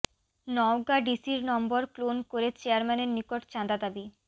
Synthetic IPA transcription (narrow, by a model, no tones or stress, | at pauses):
nɔoɡaɖisiɾnɔmboɾklonkoɾet͡ɕeaɾmɛneɾnikoʈt͡ɕãd̪ad̪abi